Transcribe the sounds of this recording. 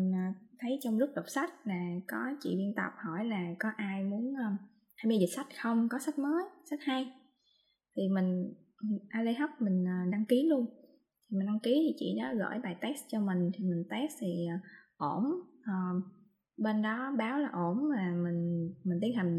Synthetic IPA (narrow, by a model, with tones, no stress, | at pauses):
m˨˩ŋ̟əː˨˩t̪ʰə˨˦jt͡ɕɔ˧wŋ͡mzu˦˥k̚ɗə˨˩wk͡p̚sa˦˥jk̚laː˨˩kɔ˨˦t͡ɕḭ˧˨ɓi˧ənt̪ə̰˨˩p̚hɔ˧˩jlaː˨˩kɔ˨˦ʔaː˧jmu˨˦ənʔː | t̪ʰaː˧jmaː˧zi˨˩t̚sa˦˥jt̚xə˧wŋ͡mkɔ˨˦sa˦˥jt̚məː˨˦jsa˦˥jt̚ha˧j | t̪ʰi˨˩mï˨˩ŋ̟˨˩ | ʔaː˧lə˧ɦa˦˥wk͡p̚mï˨˩ŋ̟əː˨˩ɗa˧ŋki˨˦lu˧əŋ | t̪ʰi˨˩m̟˨˩ɗa˧ŋki˨˦t̪ʰi˨˩t͡ɕḭ˧˨nɔ˨˦ɣə̰ː˧˩jɓaː˨˩jt̪ɛ˦˥st͡ɕɔ˧mï˨˩ŋ̟t̪ʰi˨˩mï˨˩ŋ̟t̪ɛ˦˥st̪ʰi˨˩ʔə˨˩ʔo˧˩mʔəː˨˩ | ɓe˧nɗɔ˨˦ɓaː˨˦wlaː˨˩ʔo˧˩nmaː˨˩mï˨˩ŋ̟mi˨˩ŋ̟t̪i˨˦ənha˨˩ŋ̟